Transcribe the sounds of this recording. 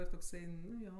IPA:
ɪr toːkˈsɐɪ ˈnʊ ˈjoː

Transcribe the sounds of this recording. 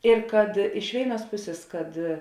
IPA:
ɪr kɐt ɪʃ ˈʋʲeːɪˌnuɔs ˈpʊsʲeːs kɐt

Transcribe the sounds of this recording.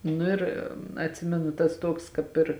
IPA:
ˈnʊ ɪr ɐtʲˈsʲɪmʲɛnʊ tɐs ˈtuɔks kɑːp ˈɪr

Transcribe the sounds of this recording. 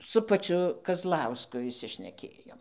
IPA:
sʊ pɐˈt͡ʃʲʊ kɐzˈlˠɐʊskʊ ɪʃʲsʲɪʃʲnʲɛˈkʲeːjoːm

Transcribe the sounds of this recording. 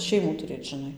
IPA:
ˈʃʲɛɪmuː tʊˈrʲeːt ʒʲɪˈnɐɪ

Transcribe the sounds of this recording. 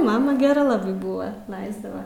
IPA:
ˈmɑːmɐ ɡʲɛˈrɐ ˈlˠɑːbɐɪ bʊʋɐ ˈlˠɐɪzdɐʋɐ

